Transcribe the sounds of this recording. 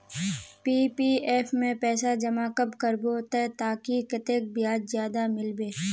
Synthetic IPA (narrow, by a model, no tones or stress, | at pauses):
piːpieːfʰmẽpɛːsad͡ʒɐmakəpkəɾboːt̪at̪aːkikɪt̪eːk̚bɪjaːd͡ʒzjaːd̪amɪlbeː